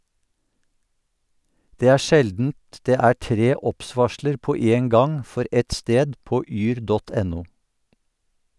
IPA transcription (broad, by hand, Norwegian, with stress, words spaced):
ˈdeː ˈæː ˈʃɛldn̩t ˈdeː ˈæː ˈʈɾeː ˈɔpˌsʋɑʃləɾ ˈpoː ˈeːn ˈɡɑŋ ˈfɔɾ ˈʔɛt ˈsteːd ˈpoː ˈyːɾ ˈdɔt ˈɛnʊ